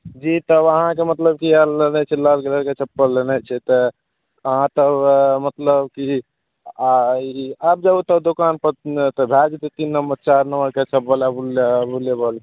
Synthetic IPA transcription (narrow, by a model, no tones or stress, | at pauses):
d͡ʒit̪əbəɦãkemət̪ləb̚kialːənɛt͡ʃʰɛlalkeləɾket͡ʃʰəpːəlːənɛt͡ʃʰɛt̪ɔ | əɦãt̪əmət̪ləbki | iap̚d͡ʒəbut̪əd̪okanpəɾt̪ɔbʱad͡ʒt̪et̪inːəmbəɾt͡ʃaɾnəməɾket͡ʃʰəpːəlabulbulebəl